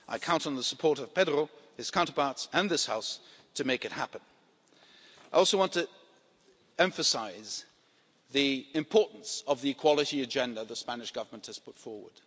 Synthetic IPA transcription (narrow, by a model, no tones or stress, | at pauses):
ʔaɪkʰãʊ̃ntn̩ðəsəpʰɔɹɾʌv̥pʰɛdɹo | ɨz̥kʰãʊ̃ntəbɑtsə̃nðɪshaʊstʰɨmeɪkɨt̚hæpɨ̃n | aɪɔlˠsoʊwɑ̃ntɨ | ɛ̃ɱfɨsaɪz | ðiɨ̃mpʰɔɹʔn̩sʌvðiɨkʰw̥ɑlˠɨɾiɨd͡ʒɛ̃ndəðəspænɨʃɡ̥ʌvə˞mə̃nʔhɨz̥pʰʊtfɔɹwə̰˞d̥